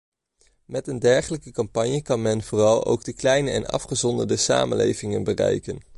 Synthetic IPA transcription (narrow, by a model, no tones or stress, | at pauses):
mɛtəndɛɹχələkəkɑmpɑɲjəkɑnmɛnv̥oːrɑlˠo̰wɡdəklɛjnəɛnɑ̰fχəzɔndəɹdəsa̰ːmə̰nlḛjvɪŋənbərɛ̰jkən